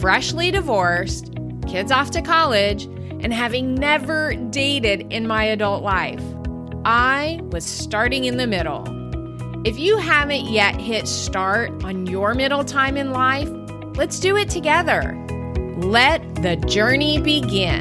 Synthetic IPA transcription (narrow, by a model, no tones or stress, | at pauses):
fɹɛʃliɾɨvɔɹs | kʰɪdzɔftɨkʰɑlˠɪd͡ʒ | ʔɨ̃nɦævɪ̃ŋnɛvə˞deɪɾɪɾɪ̃nmaɪɨdʌlˠtˡlaɪf | ʔaɪwʌz̥stɑɹɾɪ̃ŋɨ̃nðɨmɪɾl̩ˠ | ɨfjɨɦævɨ̃nʔjɛʔ̚hɪtstɑɹɾn̩jə˞mɪɾl̩ˠtʰãɪ̃mɨ̃nlaɪf | lɨtsd̥ɨɪtʰɨɡɛðə̰˞ | lɛt̪̚ðɨd͡ʒɜ˞nibɨɡɪ̃